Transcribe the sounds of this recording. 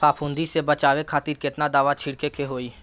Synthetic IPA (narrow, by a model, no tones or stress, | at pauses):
paːpʰʊ̃ːnd̪isebət͡ʃaːʋekʰaːt̪iːɾkɪt̪nad̪aːʋat͡ʃʰɪɽkekeɦoːiː